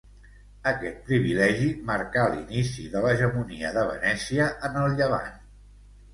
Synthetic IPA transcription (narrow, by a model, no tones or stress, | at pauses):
əkɛt̪̚pɾiβ̞ilɛʒiməɾkalḭnisiðələʒəmuniəðəβ̞ə̰nɛsiəʔənəlˠʎəβa̰n